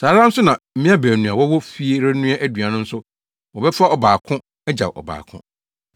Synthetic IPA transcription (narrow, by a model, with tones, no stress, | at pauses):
saː˨ɾã˦n̩˦sʊ˦nã˨m̩˦mĩ˦a˦bæː˨nũ˨a˨wɔ˦wɔ˦fi˦e˦ɾɛ˦nũ˦a˦ʔæ˦dɥã˨nʊ̃˦n̩˦sʊ˦ | wɔ˨bɛ˦fa˦ɔ˨baː˨kʰʊ̃˦ | ɛ˦d͡ʑa̰˨wʔɔ̰˨ba̰ː˨kʰʊ̰̃˦